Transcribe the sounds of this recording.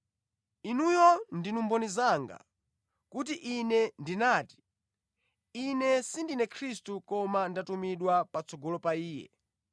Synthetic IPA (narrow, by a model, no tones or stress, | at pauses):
inujɔndinumbɔnizaŋɡa̰ | kut̬iʔinɛndinaːti̥ | inɛsindinɛkʰɾistukɔmandatumiɗwapat͡sɔɡɔlɔpaiːjɛ̰